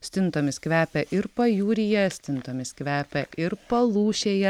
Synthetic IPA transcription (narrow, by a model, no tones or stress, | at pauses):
sʲt̪ʲɪnt̪oːmʲɪskʋʲæːpʲɛʔɪɾpɐjuːɾʲɪjɛsʲt̪ʲɪnt̪oːmʲɪskʋʲæːpʲɛʔɪɾpɐlˠuːʃʲeːjɛ